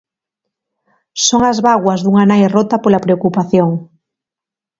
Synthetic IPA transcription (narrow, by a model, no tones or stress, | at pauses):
soŋazβaɣwazðuŋanajrot̪apolapɾeokupaθjoŋ